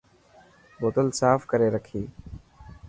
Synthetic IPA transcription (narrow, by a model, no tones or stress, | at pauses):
bot̪əlsaːfkəɾeːɾəkʰiː